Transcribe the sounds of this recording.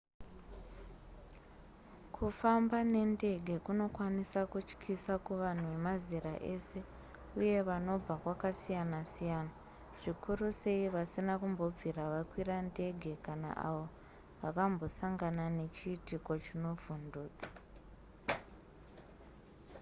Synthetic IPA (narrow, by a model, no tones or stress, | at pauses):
kʰufambane̞nde̞ɡʱe̞kuno̞kwanisakut͡ʃkʰisakuʋan̤uʋe̞maziraʔe̞se̞ | uje̞ʋano̞b͡vakwakasijanasijaːna | ʐ̥ikuruse̞iʋasinakumbo̞b͡vʱiraʋakwirande̞ɡʱe̞kana̰ʔa̰ʋo̞ | ʋakambo̞saŋɡanane̞t͡ʃiːtiko̞t͡ʃino̞vunduːt͡sḁ